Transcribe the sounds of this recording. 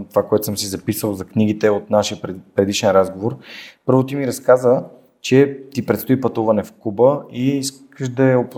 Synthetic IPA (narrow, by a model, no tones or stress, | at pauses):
t̪ovakoɛt̪ʊsəmsizɐpisəlˠzɐkniɡit̪ɛot̪naʃiəpɾɛd̪iʃɛnɾazɡovoɾpɤɾvot̪̬imiɾɐskazə | t͡ʃɛt̪ipɾɛt̪st̪oipɐt̪uvɐnɛfkubəiis | kəʃd̪ɐɛop